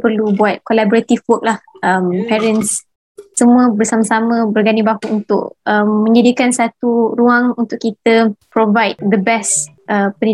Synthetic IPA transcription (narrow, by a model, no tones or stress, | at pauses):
pərlubuat̪̚kolabɔɾat̪ifwɔk̚lahʔəmpɛɾəns | səmũəbərsamasamə̃bərɡanibahuʔunt̪ʊ̰ʔ̚əmːə̃ɲd͡ʒadikansat̪uɾuaŋunt̪ʊʔkːit̪əpɾovajt̪̚d̪əbɛs | ʔəpəni